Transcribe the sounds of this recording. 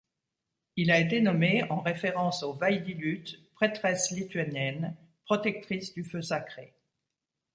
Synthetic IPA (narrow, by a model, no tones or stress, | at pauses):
ilaet̪enɔmeɑ̃ʁefeʁɑ̃sovajd̪ilyt̪pχet̪χɛslit̪ɥanjɛn | pχɔt̪ɛk̚t̪χisd̪yføsakχe